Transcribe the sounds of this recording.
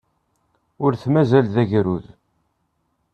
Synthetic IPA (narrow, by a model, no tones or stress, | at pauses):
ʊɾθmæzælðæʝɾuð